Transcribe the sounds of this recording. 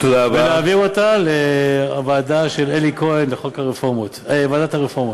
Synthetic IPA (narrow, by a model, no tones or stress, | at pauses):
t̪od̪abeleaviʁot̪aleavaːd̪aʃelelikʰoenleχokaʁefomot̪vaːd̪at̪haʁefoʁmot